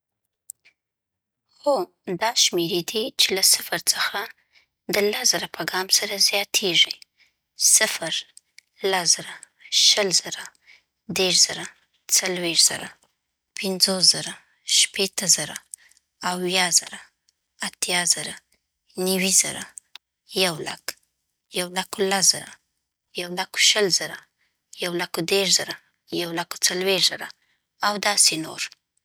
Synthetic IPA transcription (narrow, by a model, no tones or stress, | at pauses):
xo | d̪ɑʃmeɾed̪it͡ʃelasɪfaɾt͡səxa | d̪əlasz̥əɾapaɡɑmsaɾazjɑt̪ʰeʐi | sɪfəɾ | lasz̥əɾa | ʃəlz̥əɾa | d̪eʃz̥əɾa | t͡salweʂz̥ə̰ɾa | pʰɪnzosz̥əɾa | ʃpet̪əzəɾa | awjɑz̥əɾa | at̪jɑzəɾa | nəwizə̰ɾa̰ | jawla̰k | jawlakolasz̥əɾa̰ | jawlako̥ʃəlz̥əɾa | jawlakod̪eʃz̥əɾa | jawlako̥t͡salweʃz̥əɾa | awd̪ɑseno̰ɾ